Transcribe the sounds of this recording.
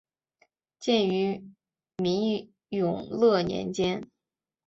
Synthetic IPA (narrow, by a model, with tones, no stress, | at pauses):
t͡ɕjɛ˥˩ny˧˥ | mi˧˥ŋ | jʊ˨˩ŋlɤ˥˩njɛ̰˧˥nt͡ɕjɛ˥n